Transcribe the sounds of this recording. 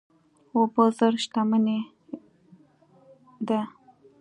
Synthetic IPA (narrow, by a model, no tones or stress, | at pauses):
obəzəɾʃt̪aməne | d̪a